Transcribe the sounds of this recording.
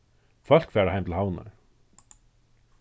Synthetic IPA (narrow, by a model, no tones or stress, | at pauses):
fœl̥kfɛːɹahaɪmt̪ʰɪlɦawna̰ɹ